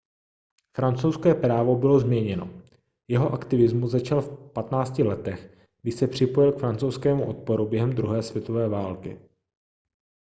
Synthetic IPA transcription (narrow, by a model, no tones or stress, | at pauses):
fɾant͡sowskɛːpɾaːvo̞bɪlo̞zmɲɛɲɛno̞̰ | jɛɦo̞ʔakt̪ɪvɪzmuzzat͡ʃalfpat̪naːt͡scɪlɛt̪ɛx | ɡ̥dɪʃsɛpr̝̥ɪpo̞jɪlkfɾant͡sowskɛːmuʔo̞t̪̚po̞ɾubjɛɦɛmd̪ɾuɦɛːsvjɛt̪o̞vɛːvaːlkɪ̰